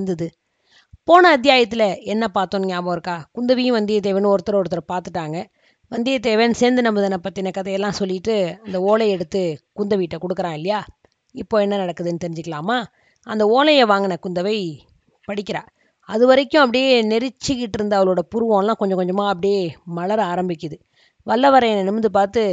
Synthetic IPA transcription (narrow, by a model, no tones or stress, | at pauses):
nd̪ɐðɯ | poːnɐːt̪̬ːjaːjɐt̪̬ːɪlɐɛnːɐpaːɾt̪õːnːɪŋɡaːʋõːɪɾɯkːaːkʊnd̪ɐʋɪjʊ̃ʋɐnd̪ɪjɐt̪eːʋɛnɯ̃ɔɾɯt̪ːɐɾɐɔɾɯt̪ːɐɾɐpaːɾt̪ɯʈːaːŋɡɐ | ʋɐnd̪ɪjɐt̪̬eːʋɛnseːnd̪ɯnɐmːɐðɐnːɐpːɐt̪ːɪnɐkɐðɐjɛlːãːsɔlːɪɪʈːɯɐnd̪ɐoːlɐjɛɽɯt̪ːɯkʊnd̪ɐʋiʈːɐkɔɽɯkːɐɾãːɪlːɐjaː | ɪpːoːɛnːɐnɐɽɐkːɯðɯnːɯt̪ɛɾɪ̃nɲd͡ʒɪkːɐlaːmaː | ɐnd̪ɐoːlɐjɐʋaːŋɡɐnɐkʊnd̪ɐʋɐɪ | pɐɽɪkʲːɪɾã̰ː | ɐðɯʋɐɾɐkʲːʊ̃ɐp̬ːɐɽɪjeːnɛɾɪt͡ʃːɯkɪʈːɪɾɯnd̪ɐʋɐɭoːɽɐpʊɾɯʋõːlãːkɔɲd͡ʒɔɐ̃kɔɲd͡ʒɐmaːɐp̬ːɐɽɪjeːmɐlɐɾaːɾɐmbɪkʲːɐðɯ | ʋɐlːɐʋɐɾɐjɛnɛnɯmnd̪ɯp̬aːɾt̪ɯ